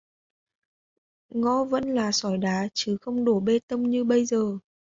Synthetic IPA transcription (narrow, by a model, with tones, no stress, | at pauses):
ŋɔ˧və̰˧˥nlaː˨˩sɔ˧˩jɗaː˨˦t͡ɕɨ˨˦xə˧wŋ͡mɗo˧˩ɓe˧t̪ə˧mɲɨ˧ɓə˧jzəː˨˩